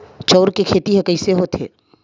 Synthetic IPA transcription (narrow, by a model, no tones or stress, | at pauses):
t͡ʃɔːɾkekʰeːt̪iɦɛkɐɪseɦoːt̪ʰḛː